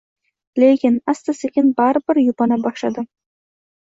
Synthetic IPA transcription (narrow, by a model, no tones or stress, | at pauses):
lekʲɪnast̪asekʲɪnbaɾbɪɾjʊpɒnabɒʃlad̪ɪ